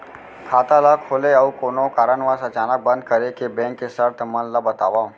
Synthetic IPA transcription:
kʰaːt̪alakʰoːleəukoːnokaɾənʋasət͡ʃanək̚bə̃nd̪̚kəɾekebẽŋkːesəɾt̪ʰmənlabət̪a̰ːʋa

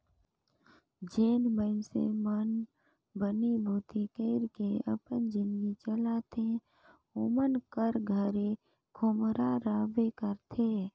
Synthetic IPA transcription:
d͡ʒeːnmənsḛmən | bənibʱuːt̪ikeɪɾkeə̰pənd͡ʒɪ̃nd̪ɡit͡ʃəlat̪ʰe | omənkəɾɡʱəɾe | kʰʊmɾaɾaːbekəɾt̪ʰeː

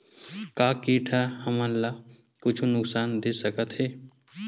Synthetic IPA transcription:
kaːkiːʈʰahɐmalːaː | kʊt͡ʃʰunʊksaːnd̪eːsɐkət̪ɦɛː

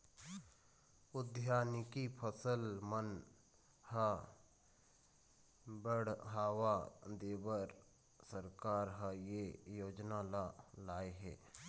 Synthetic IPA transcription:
ʊd̪ʱjaːnɪkipʰəsəlmən | hə | bəɽɦaːwad̪eːbəɾ | səɾkaːɾɦəjejoːd͡ʒnalalaːeɦɛ̰ː

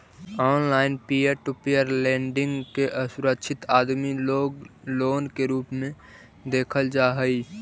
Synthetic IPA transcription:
ɔːnlaːɪnpiəɾʈupijəɾlɛ̃ːɳɖɪ̃ŋɡkeʔəsʊɾəkʃʰɪt̪aːd̪mioɡloːnkeɾuːpmẽ | d̪eːkʰəld͡ʒaːɦəi

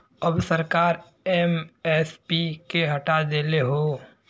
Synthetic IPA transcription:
əbsəɾkaːɾ | eːmɛːspikeɦəʈad̪eːleɦoː

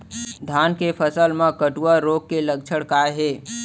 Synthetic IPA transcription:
d̪ʱaːnkepʰəsəlmẽkəʈuaɾoːk̚kelək̚t͡ʃʰəɽkaːeɦeː

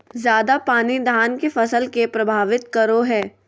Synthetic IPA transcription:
zjaːd̪apaːnid̪ʱaːnkefɐsəlkepɾɐbʱaːʋɪt̪̚kɐɾoɦɛː

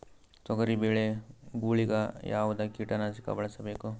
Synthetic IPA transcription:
sɔɡɐɾibeːɭeɡuːɭiɡajaːʋud̪akiʈanasika̰bɐɭɐsɐbeːku

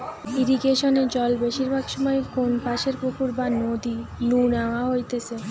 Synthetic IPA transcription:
iɾiɡeʃoned͡ʑɔlbeʃiɾbʱaɡʃɔmɔekonbʱaʃeɾpukuɾbanod̪inunaaɦojt̪et͡ɕʰe

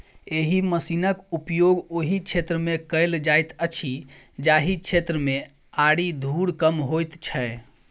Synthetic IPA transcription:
eɦiməsinəkupjoɡoɦikt͡ʃʰet̪ɾəmekəɪld͡ʒajt̪ət͡ʃʰi | d͡ʒaɦikt͡ʃʰet̪ɾəme | aɽid̪ʱuɽkəmɦojt̪t͡ʃʰə

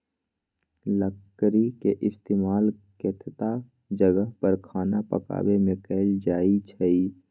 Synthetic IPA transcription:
ləkːɾikeʔɪst̪eːmaːlket̪ʰt̪a | d͡ʒəɡəɦpəɾkʰaːnapə̰ka̰ːwemẽkəld͡ʒaːit͡ʃʰəi

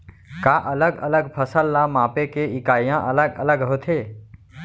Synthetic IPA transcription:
kaːʔɐləɡɐ̰ləɡpʰəsəlːamaːpekeɪkaːjãʔɐləɡə̰ləɡɦot̪ʰeː

